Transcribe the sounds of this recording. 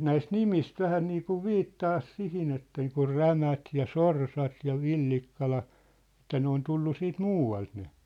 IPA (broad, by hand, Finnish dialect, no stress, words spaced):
næist nimist ʋæhæ niːkuʋ ʋiːtːɑːs sihin et niːkur ræmæt jɑ sorsɑt jɑ ʋilːikːɑlɑ ĕtːæ ne on tulːu siːt muːɑlt ne